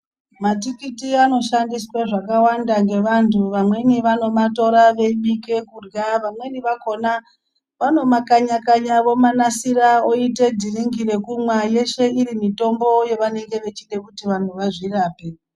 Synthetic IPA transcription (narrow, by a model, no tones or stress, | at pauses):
matikitiano̞ʃandiswaʐakawandaŋɡe̞ʋantʰuʋamwe̞niʋano̞mato̞ɾaʋe̞iɓike̞kurɡaʋamwe̞niʋako̞na | ʋano̞makaɲakaɲaʋo̞manasiɾaoite̞dʱiriŋɡiɾe̞kumwaje̞ʃe̞iɾimito̞mbo̞je̞ʋane̞ŋɡe̞ʋe̞t͡ʃiɗe̞kutiʋan̤uʋaʐiraːpe